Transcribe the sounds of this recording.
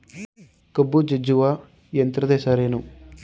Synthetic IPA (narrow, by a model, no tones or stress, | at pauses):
kɐbːud͡ʒed͡ʒuʋaː | jent̪ɾɐd̪eːʃaːɾeːnu